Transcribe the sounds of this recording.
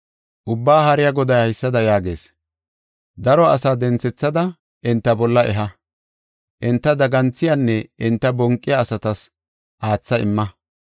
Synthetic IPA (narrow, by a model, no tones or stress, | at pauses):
ʔʊbːaːɦɐɾɪjaɡɔd̪ɐjhɐjsːɐd̪ɐjaːɡe̞̰ːs | d̪ɐɾɔɐsaːd̪ɛnt͡sɛt͡sːɐd̪ɐ | ʔɪnt̪ːɐbɔlːɐʔɛɦɐ | ʔɪnt̪ːɐd̪ɐɡɐnt͡sːɪjanːɛʔɪnt̪ːɐbɔŋkʼːɪjɐːsɐt̪ɐs | ʔaːt͡sːɐɪmːɐ